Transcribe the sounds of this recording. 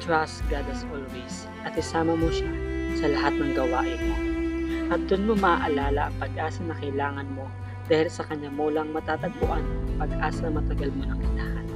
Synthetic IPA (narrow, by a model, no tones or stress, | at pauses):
t̪ɹasɡ̥ad̪ɐsʔolwis | ʔɐt̪̚ɪsaːmɐmoʃasɐlɐhat̪̚nɐŋɡɐwaːʔɪnmoʔɐt̪̚d̪ʊnmomɐʔaʔɐlaːlɐʔɐŋpɐɡʔaːsɐnɐkɐɪlaːŋɐnmo̞ | d̪̥aːhɪlsɐkɐɲːamolɐŋmɐt̪aːt̪ɐɡ̚pʊʔanɐpɐɡ̚ʔaːsɐmɐt̪ɐɡalmonɐŋʔɪnaːhɐn